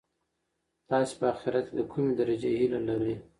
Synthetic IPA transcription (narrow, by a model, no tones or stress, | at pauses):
t̪ɑse̥pəaxɪɾat̪̚kʲed̪əkʰumed̪aɾad͡ʒehilalaɾe